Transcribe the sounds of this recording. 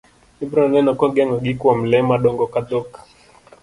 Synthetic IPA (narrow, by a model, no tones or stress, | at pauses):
ibɾɔnɛnɔkɔɡɛŋɔɡikwɔm̩lɛmaɗɔŋɡɔkad̪ɔka